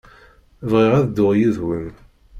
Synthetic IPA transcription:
vʁiʁæðd̪ʊʁjiðwəm

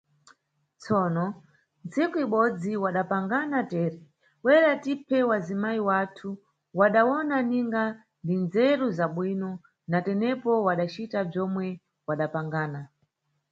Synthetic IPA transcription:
t͡sɔːnɔ | nt͡sikuiɓɔd͡ziwaɗapaŋɡanatɛːɾɛ | wɛɾatipʰɛwazimaiwatʰu | waɗawɔnaniŋɡa | ndinzɛɾuzaɓwinɔ | natɛnɛpɔwaɗat͡ʃitab͡ʐɔmwɛ | waɗapaŋɡaːna

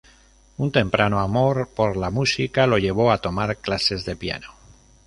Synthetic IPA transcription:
unt̪e̞mpɾʔanoamo̞ɾpo̞ɾlamusikalo̞ʎe̞β̞o̞at̪o̞maɾklase̞zðe̞pja̰no

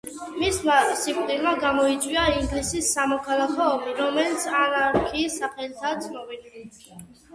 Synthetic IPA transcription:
mismasipʼq̪ʼilˠmaɡamɔit̪sʼwiaiŋɡlisisːamɔkʰalˠakʰɔːmiɾɔmɛlit̪sʰanaɾkʰiːsaχɛlit̪ʰad̪sʰʼnɔbili

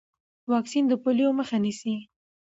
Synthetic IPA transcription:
wɑksind̪əpolijoməxanisi

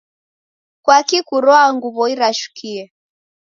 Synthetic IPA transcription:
kwakikuɾɔaŋɡuβɔiɾaʃu̥kʰiɛ

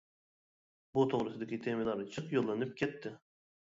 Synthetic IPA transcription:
but̪ʰoʁɾɨsɪd̪ɪkʲit̪ʰemɪd̪ɑɾnɨt͡ʃʰɨqjolˠːɑnɨp̚kʲʰɛt̪ːɪ

